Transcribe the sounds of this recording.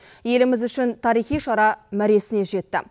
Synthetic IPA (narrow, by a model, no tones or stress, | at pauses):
je̞lɪmɪzʏʃɪnt̪ʰɑɾijχijʃɑɾɑmæɾe̞sɪne̞ʒe̞t̪ːɪ̰